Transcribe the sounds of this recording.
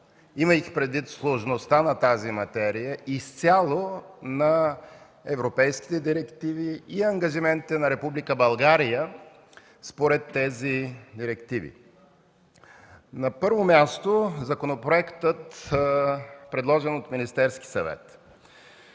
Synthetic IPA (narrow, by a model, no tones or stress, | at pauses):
iməxpɾɛd̪vit̪slˠoʒnost̪anɐt̪azimɐt̪ɛɾijəʔist̪sʲjalˠonɐ | ɛvɾopɛjsk̟i̥t̪ɛd̪iɾɛkt̪iviiɐŋɡɐʒimɛnt̪it̪ɛnɐɾɛpublikəbɐlˠɡaɾijə | spoɾɛt̪ːɛzid̪iɾɛkt̪ivḭ | nɐpɤɾvomʲjast̪ozɐkonopɾoɛkt̪ət̪ | pɾɛd̪lˠɔʒɛnot̪minist̪ɛɾski̥sɐ̰vɛ̰t̪